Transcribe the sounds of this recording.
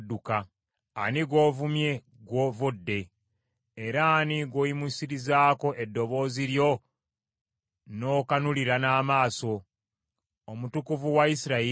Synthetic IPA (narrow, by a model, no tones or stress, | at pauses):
dːukaː | niɡwo̞ːvumje̞ | ɡwoːvodːe̞ | eɾaːniɡwojimusiɾizaːko̞ʔe̞dːo̞βo̞ːziɾjo̞ | no̞kanuliɾanaːmaːso̞ | mutukuvuwaisiɾai